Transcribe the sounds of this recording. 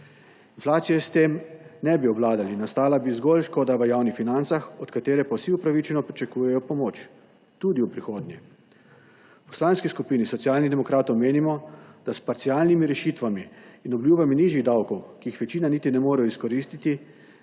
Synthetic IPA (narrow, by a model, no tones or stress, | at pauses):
inflaːt̪sijɛst̪eːmnɛbiɔblaːd̪alinast̪aːlabizɡolʃkoːd̪aʋəjaːwnixfinant̪saxɔt̪kat̪eːɾɛpawsiupɾaʋit͡ʃɛnɔpɾit͡ʃakuːjɛjɔpɔmoːt͡ʃ | t̪ud̪iupɾixoːd̪nʲɛ | pɔ̥slaːnskiskupiːnisɔt̪sijaːlnid̪ɛmɔkɾaːt̪ɔwmeːnimɔd̪̥aspaɾt̪siaːlnimiɾɛʃiːt̪ʋamiːnɔbljubaminiːʒiɣd̪awkɔwkiixʋɛt͡ʃiːnanit̪inɛmoːɾɛjɔiskɔɾist̪it̪i